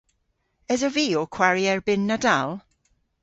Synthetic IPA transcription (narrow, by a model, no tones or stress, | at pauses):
ɛzəviːɔkʰw̥aɹiɛɹbɪnːadalˠ